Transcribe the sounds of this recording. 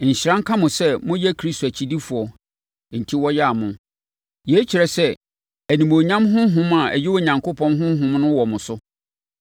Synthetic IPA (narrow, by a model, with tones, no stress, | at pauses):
ɲ̩˨ɕɪ˨ɾã˦ŋ̩˦kʰa˦mʊ̃˨sɛ˦mʊ̃˦jɛ˦kʰɾi˦sto˨æ˨t͡ɕʰi˨di˦fu˨ɔ˨ | n̩˨tʰi˦wɔ˦jɛ˦a˨mʊ̃˨ | jɛ˨˦t͡ɕʰi˨ɾɛ˨sɛ˦ | æ˨nĩ˨mo˨ɲã˦mɦʊ̃˦ɦʊ̃˦ma˨æ̰˨jɛ˦wo˦˨ɲã˨ŋkʰʊ˦pʰɔ̃˦nɦʊ̃˦ɦʊ̃˦mnʊ̃˦wɔ˨mʊ̃˨sʊ˦